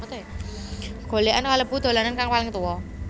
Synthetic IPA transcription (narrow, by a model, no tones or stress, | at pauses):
t̪e | ɡ̥o̤leʔankaləbud̪̥o̤lanankaŋwalɪŋt̪uwɔ